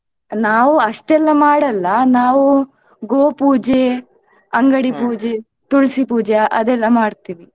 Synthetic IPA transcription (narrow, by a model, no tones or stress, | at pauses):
naːʋuɐʂʈɛlːɐmaːɽɐlːɐnaːʋu | ɡoːpuːd͡ʒe | ɐŋɡɐɽipuːd͡ʒe | t̪uɭsipuːd͡ʒeʔɐ̰d̪ɛlːɐmaːɽt̪iːʋi